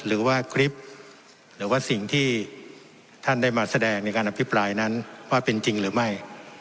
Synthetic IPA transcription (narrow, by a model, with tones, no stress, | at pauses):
ɾɯː˩˦waː˥˩kʰɾi˦˥p̚ | ɾɯː˩˦waː˥˩si˨˩ŋt̪ʰiː˥˩ | t̪ʰa˥˩nda˥˩jmaː˧sa˧dɛː˧ŋna˧˩jkaː˧nʔa˧˩pʰi˦˥pɾaː˧jna˦˥nwaː˥˩pe˧nt͡ɕi˧ŋɾɯː˩˦ma˥˩j